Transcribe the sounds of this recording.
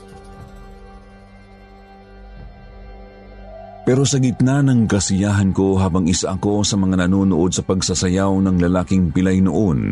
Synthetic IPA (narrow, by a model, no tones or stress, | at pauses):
pɛɾo̞sɐɡɪt̪nanɐŋkɐsɪjaːɦɐnko̞ɦaːbɐŋɪsaʔɐko̞sɐmɐŋanɐnoːnʊʔo̞d̪̚sɐpɐɡsɐsɐjawnɐŋlɐlaːkɪŋpɪlajnoʔon